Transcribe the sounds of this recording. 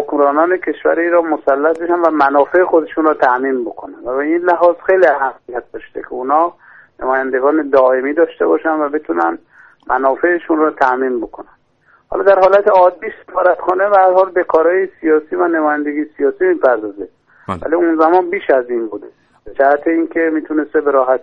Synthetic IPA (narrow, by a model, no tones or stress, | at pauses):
hokmɾɒːnɒːnekʰe̞ʃvæ̰ɾiɾɒːmosælːæt̪̚beʃænvæmænɒːfe̞exo̞d̪eʃunrɔːt̪ʰæʔmiːnbo̞kʰonænvæbeinlæɦɒːzxe̞jliæɦæmːijæt̪̚d̪ɒʃt̪ḛkʲʰeunhɒː | nemɒːjænd̪eɡɒːned̪ɒːʔemiːd̪ɒːʃt̪e̞bɒːʃænvæbe̞t̪ʰunæn | mʔænɒːfe̞ːʃunrɔt̪ʰæʔmiːnbo̞kʰonæn | hɒ̰lɒd̪æɾhɒːlæt̪ʰeɒːd̪ːiːse̥fɒːɾæt̪xɒːnebææɾhɒːlbekʰɒːɾɒːjesijɒːsiːvænemɒːjænd̪eɡijsijɒːsiːmiːpʰæɾd̪ɒːzed̪ | væ̰liunzæmɒːnbiːʃæzinbuːd̪e | bd͡ʒæhæt̪ʰeiːnkʰʲe̞miːt̪ʰune̞st̪ebeɾɒːɦæt̪